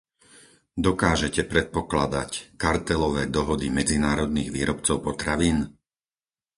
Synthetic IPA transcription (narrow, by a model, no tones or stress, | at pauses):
d̪ɔkaːʒɛcɛpɾɛt̪̚pɔklad̪a̰ckaɾt̪ɛlɔʋɛːd̪ɔɦɔd̪imɛd͡zinaːɾɔd̪niːɣʋiːɾɔpt͡sɔʊpɔt̪ɾaʋiːn